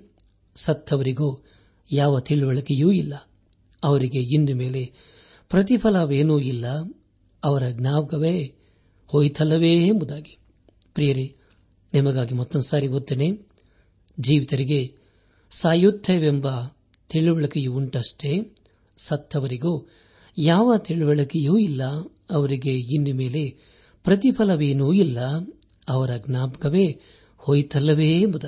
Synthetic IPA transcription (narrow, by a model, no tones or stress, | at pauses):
sɐt̪ʰːɐʋɐɾiɡoː | jaːʋɐt̪ʰiɭuʋɐɭɐkɐjuːilːɐ | ɐʋɐɾiɡeind̪ume̞ːle | pɾɐt̪̬ipʰɐlɐʋeːnuːilːɐː | ʋɐɾɐɡnaːʋɡɐʋeː | hoːjt̪ʰɐlːɐʋeːemud̪aːɡi̥ | pɾijɐɾe | nimɐɡaːɡimɔt̪ːɐmsaːɾiɡot̪ːɐneː | d͡ʒiːʋit̪ɐɾiɡe | saːjut̪ʰːɐjɐʋembɐ | t̪ʰeɭuʋɐɭɐkɐjuuɳʈɐʂʈe | sɐt̪ʰːɐʋɐɾiɡoː | jaːʋɐt̪ʰeɭuʋɐɭɐkɐjuːilːɐ | ɐʋɐɾiɡeinːumeːle | pɾɐt̪̬ipʰɐlɐʋeːnuːilːɐ | ɐʋɐɾɐɡnaːpkɐʋeː | hoːjt̪ʰɐlːɐʋeːmbud̪a